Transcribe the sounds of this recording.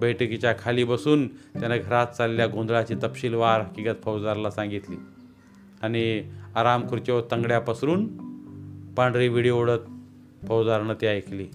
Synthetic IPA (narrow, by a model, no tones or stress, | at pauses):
bəjʈəkit͡ɕjakʰaliːbəsuːnt̪janaɡʱəɾat̪̚t͡saleljaɡõnd̪ɭat͡ɕiːt̪əpɕiːlʋaɾəkiɡat̪pʰəwd͡zaɾlasãŋɡit̪liː | añiaɾamkʰuɾt͡ɕɔt̪əŋɡɽjapəsɾuːn | paɳɖɾiʋiɽjooɽət̪̚ | pʰəwd͡zaɾnət̪jajkʰliː